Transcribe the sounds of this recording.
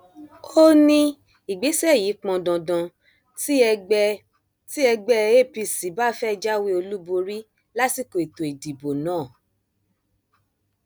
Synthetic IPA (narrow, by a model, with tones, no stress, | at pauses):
o˦nĩ˧˦ | i˨ɡ͡be˨˦sɛ˦˨ji˨˦k͡pɔ̃˧dã˨dã˧ | t | ti˦ɛ˧ɡ͡bɛ˦e˦˨pi˧si˨˦ba˦fɛ˦˧d͡ʒa˦we˦o˧lu˦bo˧ɾi˦ | la˦si˦˨ko˨e˨to˨i˨di˨bo˨nãː˨˦˨